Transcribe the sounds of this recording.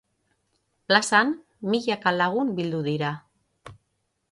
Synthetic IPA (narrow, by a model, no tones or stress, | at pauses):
plasan | miʎakalaɣ̞umbild̪uðiɾa